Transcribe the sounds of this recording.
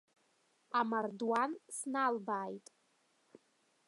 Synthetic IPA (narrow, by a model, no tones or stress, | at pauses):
amardwansnalbaːjtʼ